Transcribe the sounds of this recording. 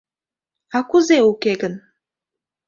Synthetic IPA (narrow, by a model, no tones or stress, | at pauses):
akuzeukeɡən